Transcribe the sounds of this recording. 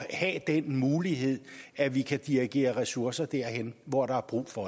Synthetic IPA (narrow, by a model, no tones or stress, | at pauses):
hæd̥enmuːliɦe̝ð̞̰ˠæʋikʰæd̥iʁiɡ̥e̝̰ːɐʁɛsuɐsɐd̥æɐ̰henʋɒɾ̥ɑ̈æɐb̥ʁṵːfɒ̽